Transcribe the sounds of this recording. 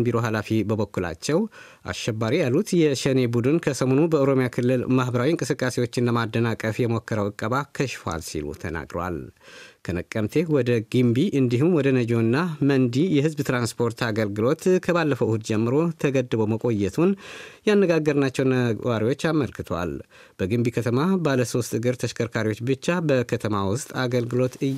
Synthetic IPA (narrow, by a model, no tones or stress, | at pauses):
biɾo̞ɦalafibəβəkːula̰t͡ʃːɛw | ʔa̰ʃːɛbːaɾijalːut̪jɛʃəne̞bud̪ɨnkʰəsəmo̞nubəʔəoɾo̞mijakʰɨlːɨlmahbəɾawiɨŋkʼɨsɨkʼːase̞wo̞t͡ʃːɪnləmad̪ːənakʼːəfjɛmokːəɾəwɨkʼːəβakʰəʃfa̰lsḭlṵt̪ʰə̰na̰ɡɾ̰wa̰lkʰənəkʼːəmt̪ʰe̞wɔd̪əɡimbiʔɨnd̪iɦumwɔd̪ənəd͡ʒo̞nːamənd̪ijɛɦɨzbt̪ɾanspʰo̞ɾt̪aɡəlɡɨlo̞t̪kʰəbalːəfəwʔhud̪d͡ʒɛmːɨɾo̞t̪ʰəɡəd̪ɨboməkʼo̞jːɛt̪ʰunjanːəɡaɡəɾɨnat͡ʃːɛwnəwaɾiwo̞t͡ʃːaməlkʰɨt̪ʰwa̰l | b̥əɡɨmbikʰət̪ʰəmabaləso̞st̪ʼɨɡɨɾt̪ʰəʃkʰəɾkʰaɾiwo̞t͡ʃːbɨt͡ʃːabəkʰət̪ʰəmawʊst̪ʼaɡəlɡɨlo̞t̪ɨ